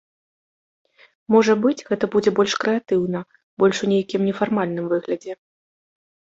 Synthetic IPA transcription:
mɔʐɐbɨt͡sʲɣɛt̪ɐbud͡zʲɛbɔlʲʂkɾɛat̪ɨwnɐ | bɔlʲʂunʲejkʲimnʲɛfarmalʲn̪ɨmvɨɣlʲɐd͡zʲɛ

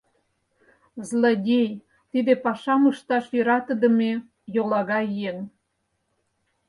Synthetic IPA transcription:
zlodʲej | t̪id̪epɑʃɑməʃt̪ɑʃjøɾɑt̪ə̆d̪ə̆me | jolɑɣɑjeŋ

